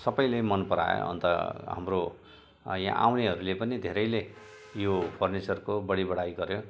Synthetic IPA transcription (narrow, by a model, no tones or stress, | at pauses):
sʌbʌjlemʌnpʌɾa̰jo̰ʌ̰nt̪ʌ̰ɦa̰mro | jã̰ʔa̰wneɦʌɾulepʌnid̪ʱeɾʌjle | jopʰʌrnet͡sʌrkobʌɽibʌɽajɡʌɾjo